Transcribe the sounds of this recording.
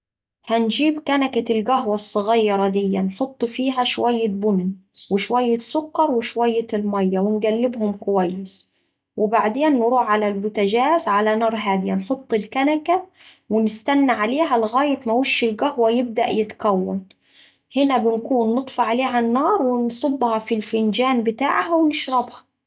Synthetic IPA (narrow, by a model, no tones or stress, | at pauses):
hænd͡ʒiːbkænakalɡæɦwɑsˤːɨɣɑjːɾˤɑd̪ɪjːanħot̪ˤːfiːɦæʃwæjːɪbʊnnwɪʃwæjːɪsʊkːɑɾˤwɪʃwæjːɪlmæjːawɪnɡælːɪbhʊmkʊwæjːɪs | wɪbaʕd̪eːnːɾˤuːʕʕalalbʊt̪aʒæːzʕalanɑːɾˤɦaːd̪ɪjanħot̪ˤːɪlkanaka | wɪnɪst̪anːaʕaleːɦælɪɣaːjɪt̪mawiʃːɪlɡahwajɪb̚d̪a̰ʔjɪt̪kæwːa̰n | hɪnæbɪnkuːnːɨt̪ˤfɑʕaleːɦanːɑːɾˤwɪnsˤʊbːhɑfilfɪnd͡ʒaːnbɪt̪aːʕhawɪnɪʃɾˤɑbhɑ̥